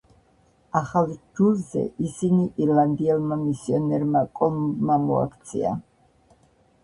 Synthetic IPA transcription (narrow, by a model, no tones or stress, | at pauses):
aχalˠd͡ʒulzɛ̰ʔisiniʔiɾland̪iɛlmamisiɔnɛɾmakʼɔmbmamɔa̰kʰt̪sʰḭa̰